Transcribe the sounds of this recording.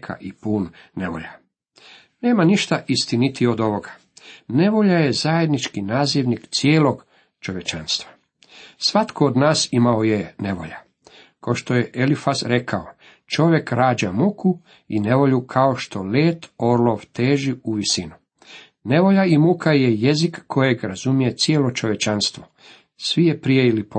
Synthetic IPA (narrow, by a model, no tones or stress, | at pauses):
kʰa̰ʔipuːnːe̞ʋo̞̰ʎa̰ | neːmaniʃt̪aʔist̪init̪iod̪o̞ʋoɡa | ne̞ʋo̞ʎaje̞zaje̞d̪nit͡ʃkinaːziʋnikt̪sjeːlo̞ɡ | t͡ʃo̞ʋje̞t͡ʃanst̪ʋa | sʋat̪kʰood̪naːsimaojene̞ʋo̞̰ʎa | koʃt̪ojeʔelifasɾe̞kʰao | t͡ʃo̞ʋje̞kɾaːd͡ʒamukʰu | ine̞ʋo̞ʎukʰao̞ʃt̪o̞leːt̪o̞ɾlˠoʋt̪eːʒiuʋisinu | ne̞ʋo̞ʎaimukʰaje̞je̞zikːo̞jeɡɾazumije̞t̪sjeːlo̞t͡ʃo̞ʋje̞t͡ʃanst̪ʋo̞ | sʋijepɾijeilipo